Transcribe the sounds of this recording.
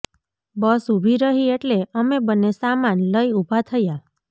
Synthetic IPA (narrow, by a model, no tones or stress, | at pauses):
bəsubʱiɾəɦieʈleəmebənːesamanləjubʱat̪ʰəja